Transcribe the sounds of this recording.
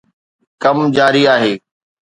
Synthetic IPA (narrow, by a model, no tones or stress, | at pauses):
kɐmd͡ʑaːɾiaːɦeː